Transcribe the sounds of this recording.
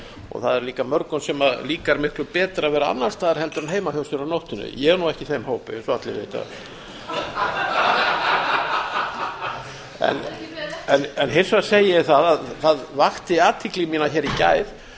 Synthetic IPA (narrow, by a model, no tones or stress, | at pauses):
ɔ̰ɣθaðɛɾliːkamœɾkʏnsɛmaðliːkaɾmɪhklʏpɛːt̪ɾavɛːɾaa̰nːast̪aːðɛɾ̥hɛlt̪ʏɾanɦeːjmahɔwsʏɾanowht̪ʏnːʏ̰jɛɛɾnuɛhcɪθejmɦoːwpɪsɔat̪lɪ̰vḛːjt̪a̰ | ɛ̰nɛnɛnɦensvaseːjɛθaðaðθaðvaxt̪ɪaːt̪ʰɪklɪmiːnaçɛːɾicaːjð